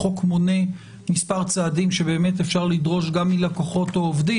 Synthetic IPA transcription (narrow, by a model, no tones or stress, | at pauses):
o̞kmone̞ | mispaʁt͡saːdimʃebe̞ːmetefʃaʁlidʁo̞ʃɡamilakoχo̞toovdi